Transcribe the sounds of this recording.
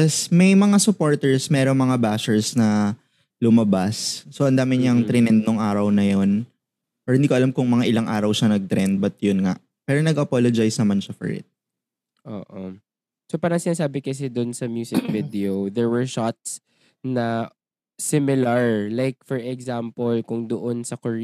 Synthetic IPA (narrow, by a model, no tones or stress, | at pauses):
ɛsmɐjmɐŋasʊpo̞ɹt̪ɛɹsmɛːɾoŋmɐŋabaːʃɛɹsnɐ | lʊmɐbasːoʔɐnd̪aːmɪɲɐŋt̪ɾɛnɛd̪̚noŋʔaːɾɐwnɐjon | ʔɔhɪnd̪iːkoɐlamkʊŋmɐŋaʔɪlaŋʔa̰ːɾɐwʃanɐɡ̚t̪ɾɛnd̪̚bɐt̪̚jʊnŋa̰ʔ | pɛːɾonɐɡɐpolod͡ʒajsnɐmanʃɐfɔ̰ɹʔɪ̰t̪̚ | ʔo̰ːʔo | sopaːɾɐŋsɪnaːs̬aːbɪkɐs̬ɛd̪ʊnsɐmjuːsɪkvɪd̪ɛod̪ɛɹwɛɹʃat̪̚s | nɐ | sɪmɪlɐɹlajk̚fɔɹʔɛɡzampolkʊŋd̪oʔonsɐko